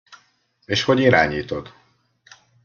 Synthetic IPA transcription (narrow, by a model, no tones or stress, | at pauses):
eːʃho̞ɟiɾaːɲiːt̪o̞d̪